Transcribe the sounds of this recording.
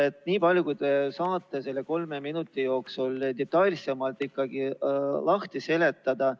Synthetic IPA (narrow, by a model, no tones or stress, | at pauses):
et̪ːniːpɑlʲjukujd̪esɑːt̪ːˑe̞se̞lːeko̞lmeminut̪ːˑijo̞ːksuld̪et̪ːˑɑjlʲse̞mɑlt̪ikːɑɡilɑht̪ise̞le̞t̪ːˑɑd̪̥ɑ